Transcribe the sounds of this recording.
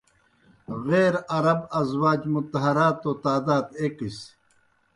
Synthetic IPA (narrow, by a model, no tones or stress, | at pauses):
ʁeːɾɐɾɐbɐzwaːd͡ʑmut̪ɐɦɐɾaːt̪ːoːt̪aːd̪aːd̪eːkis